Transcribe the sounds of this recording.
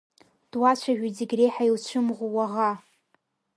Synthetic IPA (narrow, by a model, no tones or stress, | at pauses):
d̥wat͡ɕʷʰaʒᶣid͡ziɡʲrejħailt͡ɕʷʰɨmʁuwaʁa